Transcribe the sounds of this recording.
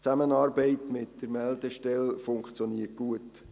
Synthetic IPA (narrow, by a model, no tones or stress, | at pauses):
t͡sæmənɑːɾbɛɪtmɪtd̥əɾmɛldəʃtɛlfʊŋkt͡sjɔniːət̚ɡ̥uət